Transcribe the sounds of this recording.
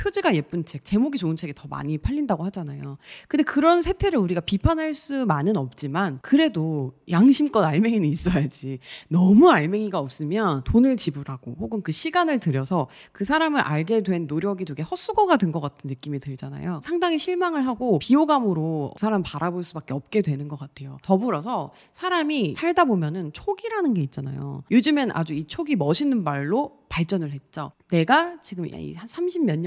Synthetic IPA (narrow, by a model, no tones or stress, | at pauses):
pʰjod͡ʑiɡaje̞p͈unt͡ɕʰe̞k̚t͡ɕe̞moɡit͡ɕoɯnt͡ɕʰe̞ɡetʌma̰ɲipʰaʎːindaɡohad͡ʑanajokɯnde̞kɯɾʌnsʰe̞tʰe̞ɾɯɭuɾiɡapipʰanɦaɭs͈umanɯnʌp̚t͡ɕ͈imankɯɾe̞dojaŋɕʰimk͈ʌnaɭme̞ŋinɯnis͈ʌjad͡ʑinʌmuaɭme̞ŋiɡaʌp̚s͈ɯmjʌntonɯɭt͡ɕibɯɾaɡ̥ohoɡɯnkɯɕʰiɡanɯɭtɯɾjʌsʰʌ | kɯs̬ʰaɾamɯɾʔa̰ɭɡe̞dwe̞nːoɾjʌɡidweɡe̞hʌs͈uɡʌɡadwe̞nɡʌk͈atʰɯnːɯk͈imitɯɭd͡ʑana̰josʰaŋdaŋiɕʰiɭmaŋɯɭɦaɡopioɡamɯɾosʰaɾampaɾaboɭs͈ubak͈eʌp̚k͈e̞dwe̞nɯnɡʌk͈atʰe̞jo̰tʌbuɾʌsʰʌsʰaɾamisʰaɭdabomjʌnɯnt͡ɕʰoɡiɾanɯnɡe̞it̚t͡ɕ͈ana̰jo̰jod͡ʑɯmenʔa̰d͡ʑuit͡ɕʰoɡimʌɕʰinɯnmaɭːopaɭt͡ɕ͈ʌnɯɭɦe̞t̚t͡ɕ͈one̞ɡat͡ɕiɡɯma̰ḭsʰamɕʰimmjʌɲ